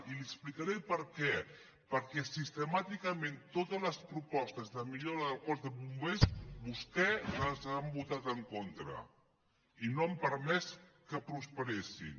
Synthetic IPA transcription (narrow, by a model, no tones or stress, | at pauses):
iliəksplikaɾɛjpəɾkɛ | pəɾkɛsist̪əmat̪ikəmẽnt̪ot̪əzləspɾupɔst̪əzðəmiʎoɾəðəlˠkɔzðəβumbesβuskɛəzambut̪at̪əŋkont̪ɾə̰ | inoəmpəɾmɛskəpɾuspəɾesḭn